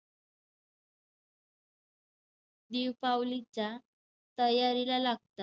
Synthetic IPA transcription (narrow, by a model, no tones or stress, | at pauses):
d̪iwpawlit͡ɕa | t̪əjaɾilalaɡ̚t̪a